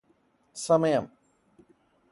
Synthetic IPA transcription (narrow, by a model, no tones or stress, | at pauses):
sɐmɐjɐm